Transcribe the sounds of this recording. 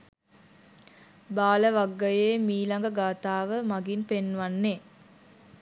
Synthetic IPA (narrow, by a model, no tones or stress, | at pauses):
baːləʋaɡːəjeːmiːlaŋɡəɡaːt̪aːʋəmaɡinpenːʋanːe